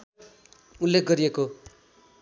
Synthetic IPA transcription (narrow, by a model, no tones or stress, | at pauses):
ulːekʰɡʌɾieko